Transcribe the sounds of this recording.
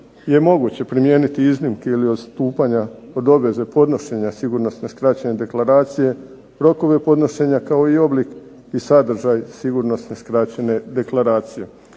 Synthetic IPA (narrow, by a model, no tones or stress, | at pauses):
je̞mo̞ɡut͡ɕe̞pɾimje̞ːnit̪iiznimkeilio̞d̪st̪uːpaɲaod̪o̞be̞ze̞po̞d̪no̞ʃe̞ɲasiɡuɾno̞sne̞skɾat͡ɕene̞d̪e̞klaɾaːt̪sije̞ | ɾo̞ko̞ʋe̞po̞d̪no̞ʃe̞ɲakao̞io̞blik | isad̪r̩ʒajsiɡuɾno̞sne̞skɾat͡ɕe̞ne̞d̪e̞klaɾaːt̪sije̞